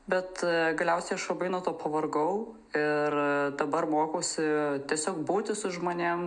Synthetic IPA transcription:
bʲɛt̪ɡɐlʲɛʊsʲɛɪɐʃɐbɐɪnɐːt̪oːpɐʋɐrɡɐʊ | ɪrd̪ɐbɐrmoːkoːsʲɪt̪ʲiɛsʲoːkbuːt̪ʲɪsʊʒmoːnʲem

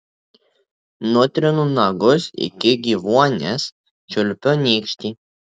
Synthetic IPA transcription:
nʊt̪ʲɾʲɪnunɑɡʊsɪ̰kʲɪɡʲiʋuɔnʲɛs | t͡ʃʲʊlʲpʲonʲiːkʃʲt̪ʲi

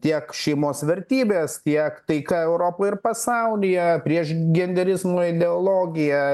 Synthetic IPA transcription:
t̪ʲiɛkʃʲɛɪmoːsʋʲɛɾʲt̪ʲiːbʲeːst̪ʲiɛkt̪ɐɪkɐɛʊɾoːpoːjɪrpɐsɐʊlʲɪjɛpʲɾʲiɛʃɡʲɛnʲd̪ʲɛɾʲɪzmoːɪd̪ʲɛoːlˠoːɡʲɪjɛ

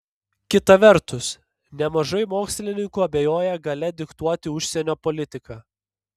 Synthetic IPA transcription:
kʲɪt̪ɐʋʲɛɾt̪ʊs | nʲɛmɐʒɐɪmoːksʲlʲɪnʲɪŋkuːɐbʲeːjoːjɛɡɐlʲɛd̪ʲɪkt̪uɔt̪ʲɪʊʃʲsʲɛnʲoːpɔlʲɪt̪ʲɪkɑː

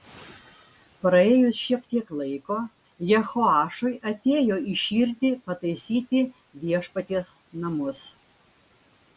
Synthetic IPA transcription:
pɾɐeːjʊsʃʲiɛkt̪ʲiɛklˠɐɪkoː | jɛxoɑːʃojʔɐt̪ʲeːjoːiʃʲiːɾʲt̪ʲɪpɐt̪ɐɪsʲiːt̪ʲɪ | ʋʲiɛʃpɐt̪ʲis | nɐmʊs

